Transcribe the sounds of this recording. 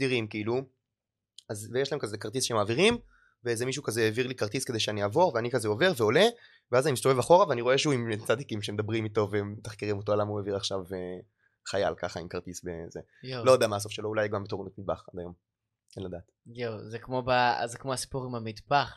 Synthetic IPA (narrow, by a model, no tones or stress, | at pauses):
d̪iʁimkiilu | azvejeʃlaemkazekaʁt̪̬isʃeemaːviʁim | vezemiʃ̬ukazeeviʁlikaʁt̪iske̞de̞jʃeaniaːvo̞ʁveanikazeo̞ve̞ʁve̞ole | veazanimist̪ovevaχo̞ʁaveaniʁo̞e̞ʃeuimt͡sad̪ikimʃemed̪abʁimit̪o̞veemːet̪aχkiʁimo̞t̬oalamaueviʁaχʃave | χaja̰lkaχaimkaʁt̪isbḛze | lojodeamaːso̞fʃelo̞ulajɡambetonutmid̪̚baχad̪ajo̞m | enlad̪aːt̪jozekmobazekmoasi̥puʁimamid̪baχ